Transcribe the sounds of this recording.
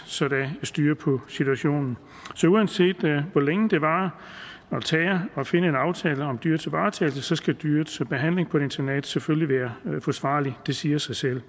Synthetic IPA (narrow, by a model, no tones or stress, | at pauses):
sɒ̽d̥ææsd̥yːɐpʰɒ̽sit͡sʰuæɕo̝̰ːnn̩ | sɒ̽uænse̝̰ːd̥ʋɒleŋəd̥e̝ʋɑ̈ | ɒt͡sʰɛːɐɒ̽fe̝nəe̝nɑ̈ʊt͡sʰɛːləɒ̽md̥yːɐ̰t͡sʰe̝ʋɑ̈ːt͡sʰɛːl̩səsɒ̽sɡ̥æd̥yɐd̥sb̥e̝ɦæn̰le̝ŋpʰɒɾe̝nt͡sʰɐned̥sefølliʋæːɐfɒ̽sʋɑ̰̈ːlid̥e̝siːɐsɑ̈ɪsel̰